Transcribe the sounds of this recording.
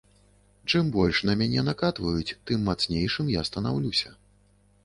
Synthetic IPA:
t͡ʂɨmbɔlʲʂnɐmʲanʲɛnakat̪vɐjut͡sʲt̪ɨmːat̪snʲejʂɨmjast̪ɐnawlʲusʲɐ

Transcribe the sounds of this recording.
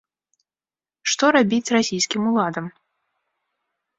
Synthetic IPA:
ʂt̪ɔɾabʲit͡sʲrasʲijskʲimulˠad̪ɐm

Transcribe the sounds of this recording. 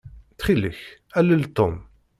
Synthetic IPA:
θχiləçæləlt̪ːom

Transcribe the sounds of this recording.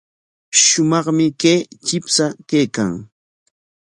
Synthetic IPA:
ʃʊmɑχmɪkeːt͡ʃɪpsakejkaŋ

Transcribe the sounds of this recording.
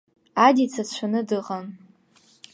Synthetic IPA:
adit͡sʰat͡ʃʷʰanɨdɨʁan

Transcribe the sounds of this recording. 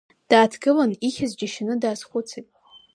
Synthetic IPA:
d̥aːtʰɡɨlaniχʲazd͡ʒaʃɪnɨdaːzχʷʊt͡sʰajtʼ

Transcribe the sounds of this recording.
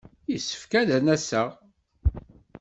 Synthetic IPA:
jisːə̥fkæðænæsæʁ

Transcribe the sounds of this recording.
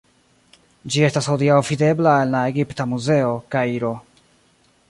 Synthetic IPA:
d͡ʒie̞stasho̞diawvide̞blaenlae̞ɡiptamuze̞o̞kaiɾo̞

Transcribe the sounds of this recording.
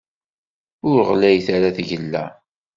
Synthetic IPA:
ʊɾəʁlæjθaɾaθʝəlːæ̰

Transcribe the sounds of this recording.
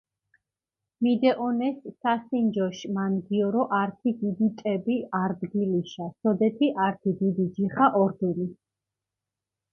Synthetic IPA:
mid̪ɛʔɔnɛsːasind͡ʒɔʃmanɡiɔɾɔʔaɾt̪ʰid̪id̪it̪ʼɛbiaɾd̪ɡiliʃasɔd̪ɛt̪ʰiʔaɾt̪ʰid̪id̪id͡ʒiχaʔɔɾd̪ɛni

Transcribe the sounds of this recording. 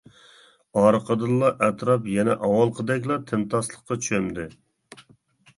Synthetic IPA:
ɑɾqʰəd̪ɨlˠːɑʔɛt̪ɾɑpjɛnɛ̰ʔɑwɑlˠqʰəd̪ɛkʲlˠɑt̪ʰɪnt̪ɑslˠəqqːɑt͡ʃʰyømd̪ɪ

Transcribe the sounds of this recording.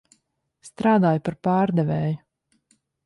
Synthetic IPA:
st̪ɾaːd̪aːjupaɾpaːɾd̪ɛvɛːju

